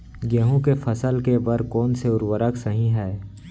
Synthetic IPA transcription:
ɡəːɦũkefɐsəlkebəɾkɔːnseʊɾwəɾəksəɦĩɦɛː

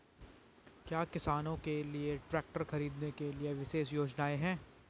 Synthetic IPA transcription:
kjaːkɪsaːnõkelieʈɾɛːk̚ʈəɾxɐɾiːd̪nekelieʋɪʃeːʃjoːd͡ʒnaːeɦɛ̃ː

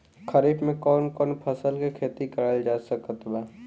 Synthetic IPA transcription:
kʰəɾiːpmẽkɔːnkɔːnpʰəsəlkekʰeːt̪ikəɾaːld͡ʒaːsəkət̪baː

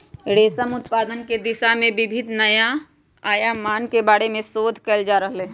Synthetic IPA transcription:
ɾeːsəmʊt̪paːd̪ənked̪ɪʃamẽbɪbʱɪd̪nəja | aːjamaːnkebaːɽemẽsoːd̪ʱkəld͡ʒaːɾəɦle

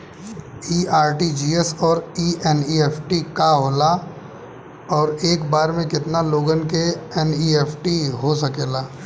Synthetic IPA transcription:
iːaːɾʈid͡ʒiːɛsɔːɾiːʔɛniːeːpʰʈikaɦoːla | ɔːɾeːkbaːɾmẽkɪt̪naloːɡənkeɛniːeːpʰʈiɦosɐkeːlaː

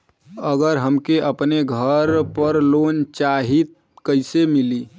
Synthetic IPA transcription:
əɡəɾɦəmkeʔəpneɡʱəɾpəɾlont͡ʃaɦit̪̚ | kəɪsemili

